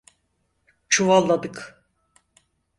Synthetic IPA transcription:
t͡ʃʰuvalˠːad̪ɯk

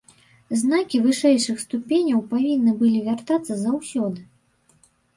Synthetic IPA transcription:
znakʲivɨʂɛjʂɨxst̪upʲenʲɐwpavʲinːɨbɨlʲivʲart̪at̪sːɐzawsʲɔd̪ɨ

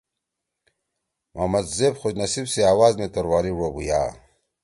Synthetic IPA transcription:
mʔaːmɐd̪zeːbxod͡ʑnɐsibseaːwaːzmet̪ɐɾwaːɾiɻobuja̰ː

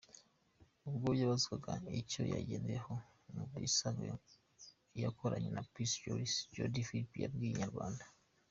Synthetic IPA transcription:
uβɡoβjaβazukaɡaico̞̰ja̰ɟeːndejeho | mubwḭsaŋɡe | jakʰoɾaɲenapisoid͡ʒo̰difilipija̰bɡiɲaɾɡwaːndḁ

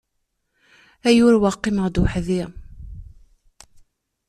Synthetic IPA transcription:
æjuɾwɑqːiməʁd̪uħðiʁ

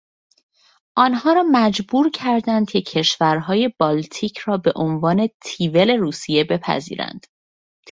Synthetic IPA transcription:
ʔɒːnɦɒːɾɒːmæd͡ʒbuːɾcʰæɾd̪ænd̪̥̚cʰecʰe̞ʃvæɾɦɒːje̞b̥ɒːlt̪ʰiːcʰɾɒːbe̞ʔonvɒːne̞t̪ʰiːve̞le̞ɾuːsije̞be̞pʰæ̰zḭːɾæ̰nd̪̥

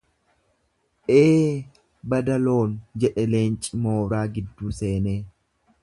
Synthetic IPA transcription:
ʔeː | bɐd̪ɐlo̞ːnd͡ʒɛᶑɛle̞ːnt͡ʃʼɪmo̞ːɾaːɡɪd̪ːuːse̞ːneː

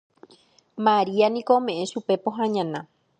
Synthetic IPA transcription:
maɾianĩkoõmẽ̞ʔẽʃupe̞poɦãɲãnã

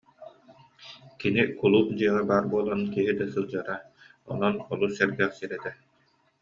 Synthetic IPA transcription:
kinikulˠuːt̪d͡ʑɯɐʁɛbaːɾbuɔlˠanɯnkiɦid̪ɛsɯlˠd͡ʑɯɾa | ɔ̰nɔnɔlˠusɛɾɡɛχsiɾɛt̪ɛ

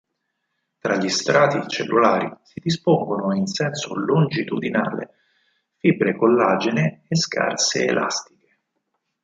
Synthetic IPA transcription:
t̪ɾaʎːist̪ɾaːt̪it͡ʃelːulaːɾisid̪ispoŋɡonoinsɛnso̰lond͡ʒit̪ud̪ina̰ːlḛ | fibɾekolːaːd͡ʒeneːska̰rsḛḛlʔa̰st̪i̥ke̥

